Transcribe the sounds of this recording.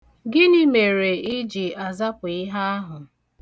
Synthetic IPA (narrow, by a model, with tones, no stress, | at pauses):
ɡɪ˦ni˦me˨ɾe˨i˦d͡ʒi˨a˨za˦pʊ˨ɪ˦ɦa˦a˦ɦʊ˨